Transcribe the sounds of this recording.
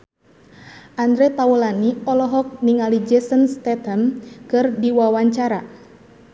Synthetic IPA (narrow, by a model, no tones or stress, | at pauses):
ʔand̪ɾɛpaulaniɔlɔɦɔk̚niŋalid͡ʒɛsənst̪ɛt̪ənkɨrdiwawaɲt͡ʃaɾa